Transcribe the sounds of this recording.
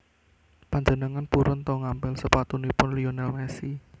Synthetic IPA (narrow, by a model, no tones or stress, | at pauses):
paɲd͡ʒənəŋanpuɾʊnt̪ɔŋampɪlsəpat̪unipʊnlionalmɛsi